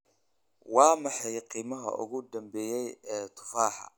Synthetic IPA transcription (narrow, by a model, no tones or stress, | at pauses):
wɑːmɑħɑjqiːmɐɦɐ̰ʔʊ̰ɣʊd̪ɐmbɛːjɛjɛːt̪ʰʊ̥faːħɑ̰